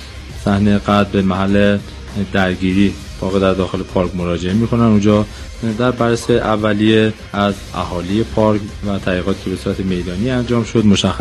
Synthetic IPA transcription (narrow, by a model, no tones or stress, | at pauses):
sæhnejeɡæd̪bemæɦælːe | d̪æɾɟiːɾiː | bɒːɣed̪æɾd̪ɒːxe̞le̞pʰɒːɾkmo̞ɾɒːd͡ʒe̞emiːkʰo̞nænund͡ʒɒː | d̪æɾbæɾːesejʔævːælije | æz | æ̰hɒːlije̞pʰɒɾkvæt̪ʰæliːɣɒːt̪ʰi̥ːcʰe̞be̞suːɾæt̪ʰeme̞jd̪ɒːniːænd͡ʒɒːmʃo̞d̪mo̞ʃæxːæs